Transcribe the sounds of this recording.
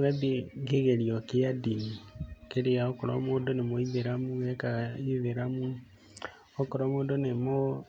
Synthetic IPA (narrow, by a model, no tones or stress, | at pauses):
ɣaðeɣeɣeɾiɔkeadinikeɾeaokoɾa̰moːndonemoiðeɾamuɛkaiðeɾamu | okoɾamoːndonemo